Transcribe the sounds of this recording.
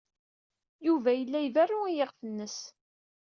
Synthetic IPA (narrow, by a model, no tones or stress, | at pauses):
juvæjəlːæjværːuijeʁfənːəs